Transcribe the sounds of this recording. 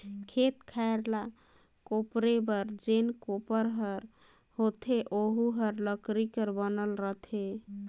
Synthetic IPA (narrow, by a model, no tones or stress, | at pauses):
kʰet̪kʰaeɾla | kopɾebəɾd͡ʒenkopəɾɦəɾ | hot̪ʰeʔoɦuɦəɾləkɾikəɾbənəlɾəɦt̪ʰe